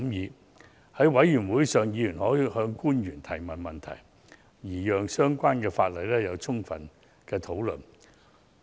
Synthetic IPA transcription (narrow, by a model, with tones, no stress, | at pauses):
mjiː˨˧ | hɐ˨˥jwɐ˨˥jːyː˨˩nwuː˨˥jsœː˨ŋjiː˨˧jyː˨˩nhɔː˨˥jhœː˧ŋkuː˥njyː˨˩nt̪ʰɐ˨˩jmɐ˨˩nmɐ˨nt̪ʰɐ̰˨˩j | jiː˨˩jœː˨ŋsœː˥ŋkʷaː˥nkɛː˧faː˧t̚lɐ˨jlɛː˥jɐ˨˧wt͡sʰʊ˥ŋfɐ̰˨˩n | kɛː˧t̪ʰo˨˥wlɵ˨n